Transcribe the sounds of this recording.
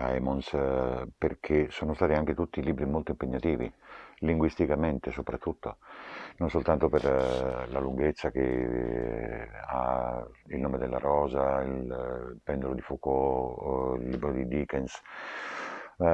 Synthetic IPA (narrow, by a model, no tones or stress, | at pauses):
a̰ɛmɔnsperkʰesoːnost̪aːt̪iaŋk̟et̪ut̪ːiliːbɾimolt̪oimpeɲːat̪iːvḭliŋɡwist̪ikament̪esopɾat̪ːut̪ːononsolt̪ant̪operlaluŋɡet̪sːak̟ḛ | a̰ | ilnoːmed̪elːa̰ɾɔːzailpɛnd̪olod̪ifuːko | ilːiːbɾod̪id̪iːkɛns